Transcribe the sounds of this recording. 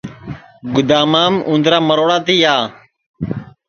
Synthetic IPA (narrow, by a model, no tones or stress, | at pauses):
ɡʊd̪aːmaːmũːnd̪ɾaːməɾoːɽaːt̪iːaː